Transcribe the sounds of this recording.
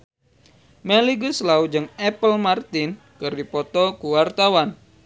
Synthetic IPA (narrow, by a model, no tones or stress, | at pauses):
mɛliɡəslaud͡ʒɨŋɛpəlmart̪ɪn | kɨrdipɔt̪ɔkuwart̪awan